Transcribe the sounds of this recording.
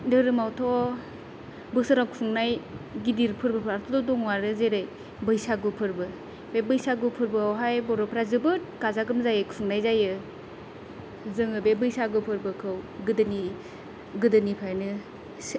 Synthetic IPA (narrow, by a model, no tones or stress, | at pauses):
dɯɾɯmawtʰɔ | bɯsɯɾakfʰuŋnajɡidiɾpʰɯɾbɯpʰɾaɾtʰɔdɔdɔŋwaɾɯzeɾɯj | bɯjsaɡɯpʰɯɾbɯ | bebɯjsaɡupʰɯɾbɯawɦajbɔɾɔpʰɾazɯbɯt̚kazaɡɯmzajɯkfʰuŋnajzajɯ | zɯŋɯbebɯjsaɡɯpʰɯɾbɯkʰɯwɡɯdɯni | ɡɯdɯnipʰajnɯ | s